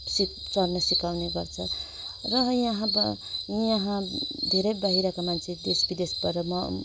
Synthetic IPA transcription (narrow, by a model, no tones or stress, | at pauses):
sisʌrnʌsikawneɡʌrt͡sʰʌ | rʌjʌɦãbjʌɦãd̪ʱeɾʌjbʌɦiɾakamant͡sʰed̪esbid̪esbaɾʌmʌ